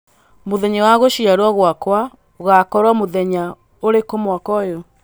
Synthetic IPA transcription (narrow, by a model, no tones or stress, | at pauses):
moðɛɲawaɣoɕiaɾwaɣwakwa | oɣakɔɾwamoðɛɲa | oɾekomwakɔjo